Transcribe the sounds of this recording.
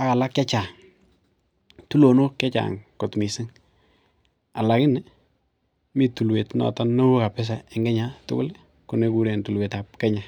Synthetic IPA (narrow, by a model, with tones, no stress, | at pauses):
a˦ka˨la˦kja˦t͡ʃaː˨ŋ | tu˦lo˨no˦kja˦t͡ʃa̰ːŋko˨tmi˨sɪ˦ŋ | a˨la˨kɪ˦n | mi˦tu˨lwe˨tnɔ̰˨ta˦nːo˦wo˦ka˨pɛ˦s̬a˨ɪ˨ŋɡɛ˦ɲatʊ̰˦kʊ˦l | kʊ˨ne˦ku˦ɾe˨ntu˨lwe˨ta˨p̚kɛ˦ɲa˨